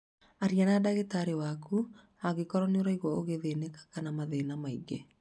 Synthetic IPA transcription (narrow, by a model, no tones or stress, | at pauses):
aɾianadaɣetaɾewaku | aɣekɔɾɔneoɾaiɣwɔoɣeðenekḁkanamaðenamaiɡe